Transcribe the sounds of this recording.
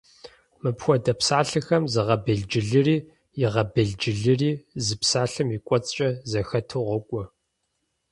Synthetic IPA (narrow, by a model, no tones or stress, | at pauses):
mɨpxʷɔdɐpsaːɬɨxɐmzɨʁɐbɐɮd͡ʒɪɮɨriː | jɪʁɐbɐɮd͡ʒɪɮɨriːzɨpsaːɬɨmikʷʼɔt͡sʼt͡ʃʼɐzɐxɐtʰuʁʷɔkʷʼɔ